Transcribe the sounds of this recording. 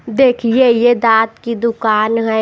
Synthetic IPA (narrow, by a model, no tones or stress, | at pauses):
d̪eːkʰiejed̪aːt̪kid̪ʊkaːnɦɛ